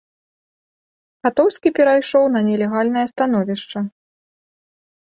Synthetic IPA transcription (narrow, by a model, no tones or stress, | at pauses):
xat̪ɔwsʲkʲipʲɛɾajʂɔwnɐnʲɛlʲɛɣalʲn̪ɐjɐst̪an̪ɔvʲiʂt͡ʂɐ